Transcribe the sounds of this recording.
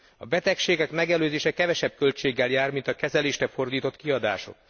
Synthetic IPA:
ɒ̰bɛt̪ɛkʃeːɡɛkmɛɡɛløːzeːʃɛkɛvɛʃɛb̚kølt͡ʃeːɡːɛljaːrmint̪ɒkɛzɛleːʃrɛfo̞rd̪iːt̪o̞t̪kiɒd̪a̰ːʃo̰k

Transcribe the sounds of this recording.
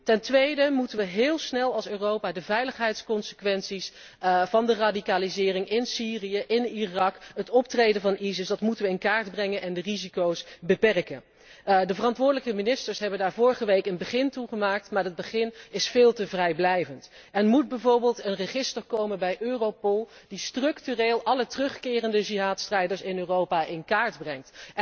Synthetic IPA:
tɛntʋejdəmutənʋəɦɪːlˠsnɛlˠɑlˠsøːrowpaːdəvɛjləχɦɛjtskɔnsə̥kʋɛnsis | v̥ɑndəradikaːlizɪːrɪŋɪnsiːrijəʔɪnirɑkɦətɔp̚trejdəvɑnizɪsdɑtmutənʋəɪnkaːɹdbrɛŋənɛndərizikowsbəpɛrkən | dəvərɑntʋʊːɹdələkəminɪstəɹsɦɛbəndaːɹvʊːɹəχəʋejkənbəχɪntuχəmaːk̚tmaːɹɦəd̚bəχɪnɪsfɪːlˠtəvrɛjblɛjvənt | ɛnmud̚bɛvʊːɹbɪːlˠtənrəχɪstəɹkowmənbɛjʔøːrowpɔlˠdistrɵktyreːlˠʔɑlətərɵχkɪːrəndəʒiɦaːtstrɛjdəɹsɪnøːrowpaːʔɪnkaːɹdbrɛŋt

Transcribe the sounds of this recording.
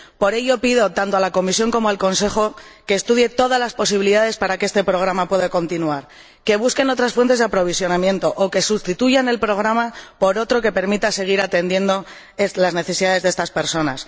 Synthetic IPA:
po̞ɾe̞ʎo̞piðo̞t̪ant̪o̞alako̞misjo̞ŋko̞moalko̞nse̞χo̞ke̞ːst̪uðje̞t̪o̞ðazlaspo̞siβiliðaðe̞spaɾakeest̪e̞pɾo̞ɣ̞ɾamapwe̞ðako̞nt̪inuaɾ | ke̞β̞uske̞no̞t̪ɾasfwe̞nt̪e̞zðe̞apɾo̞β̞isjo̞namjẽ̞nt̪o̞ʔoke̞sust̪it̪uʝane̞lpɾo̞ɣ̞ɾamapo̞ɾo̞t̪ɾo̞ke̞pe̞ɾmit̪ase̞ɣ̞iɾat̪e̞nd̪je̞nd̪o̞ | elazne̞θe̞siðaðe̞zðest̪aspe̞ɾso̞nas

